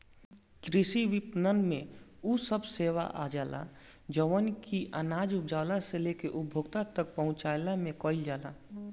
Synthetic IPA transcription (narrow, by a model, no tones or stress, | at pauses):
kɾɪʃiʋɪpnənmẽusəbseːʋa̰ʔa̰d͡ʒaːlʔa̰ | d͡ʒəʋənkiʔənaːd͡ʒʊpd͡ʒaːwlaselekeʔʊbbʱoːɡt̪at̪ək̚pəɦʊ̃t͡ʃaːjlamẽkɔːɪld͡ʒaːla̰